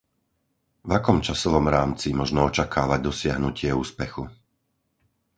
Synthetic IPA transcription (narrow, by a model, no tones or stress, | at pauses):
vakɔmt͡ʃasɔʋɔmɾaːmt͡simɔʒnɔɔt͡ʃakʰaːʋaɟ̚d̪ɔsɪaɦnucɪɛuːspɛxu